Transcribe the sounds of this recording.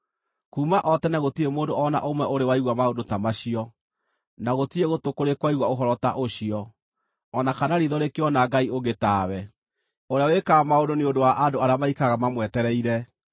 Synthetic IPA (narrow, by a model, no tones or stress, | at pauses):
kuːmaʔɔtɛnaɣotiɾemoːndoɔna̰ʔomwɛʔoɾewaiɣwamaodotamaɕiɔ | naɣotieɣotokoɾekwaiɣwaoɦɔɾɔta̰ʔoɕiɔː | nakanaɾiðɔɾekeɔnaɡaioɣetawɛ | oɾeawekamaodoneondowaʔandoaɾeamaikaɣamamwɛtɛɾɛiɾɛ